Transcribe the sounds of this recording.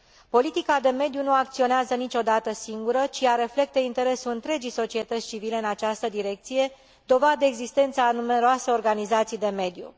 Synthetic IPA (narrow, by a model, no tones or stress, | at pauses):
po̞lit̪ikad̪e̞me̞d̪junuakt̪sio̞neazənit͡ʃo̞d̪at̪əsiŋɡuɾət͡ʃiaɾe̞fle̞k̚t̪əint̪e̞ɾe̞suɨnt̪ɾe̞d͡ʒijso̞t͡ʃie̞t̪ət̪sʲt͡ʃivile̞ɨnat͡ʃast̪əd̪iɾe̞k̚t̪sije̞ | d̪o̞vad̪eeɡzist̪e̞nt̪səːnume̞ɾoaseo̞rɡanizat̪sijd̪e̞me̞d̪jṵ